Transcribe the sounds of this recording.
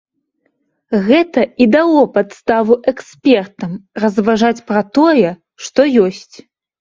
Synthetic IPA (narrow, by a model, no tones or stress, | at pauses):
ɣɛt̪ɐid̪alˠɔpat̪st̪avuʔɛksʲpʲɛrt̪ɐmrɐzvaʐat͡sʲpɾɐt̪ɔjɛ | ʂt̪ɔjɔsʲt͡sʲ